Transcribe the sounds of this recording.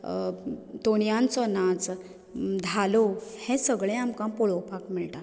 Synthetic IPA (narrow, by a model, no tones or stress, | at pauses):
t̪oɽjãnt͡sɔnat͡s | d̪ʱalohẽsəɡɭẽamkãpɔɭɔwpakmiɭʈa